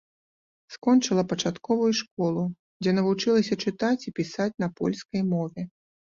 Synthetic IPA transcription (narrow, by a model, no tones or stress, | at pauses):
skɔnt͡ʂɨlˠɐpɐt͡ʂat̪kɔvujuʂkɔlˠu | d͡zʲɛnɐvut͡ʂɨlˠɐsʲɐt͡ʂɨt̪at͡sʲipʲisat͡sʲn̪ɐpɔ̰lʲskɐjmɔvʲɛ